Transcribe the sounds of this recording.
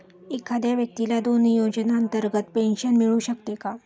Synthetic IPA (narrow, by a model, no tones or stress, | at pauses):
ekʰːad̪jaʋjək̚t̪ilad̪onjod͡ʑnaənt̪əɾɡət̪penɕənmiɭuːɕəkt̪eka